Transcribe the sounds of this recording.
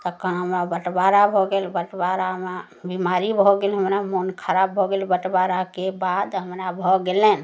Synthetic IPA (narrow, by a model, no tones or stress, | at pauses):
t̪əkəɦəmɾabəʈbaɾabʱɔɡelbəʈbaɾama | bimaɾibʱɔɡelɦəmɾamonkʰəɾabːʱɔɡelbəʈbaɾakebad̪ɦəmɾabʱɔɡelen̆